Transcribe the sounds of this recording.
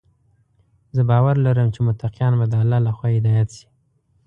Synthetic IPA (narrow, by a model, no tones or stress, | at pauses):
zəbɑwaɾlaɾəmt͡ʃemʊt̪aqijɑnbad̪əalːɑlaxwɑɪd̪ɑjat̪ʃi̥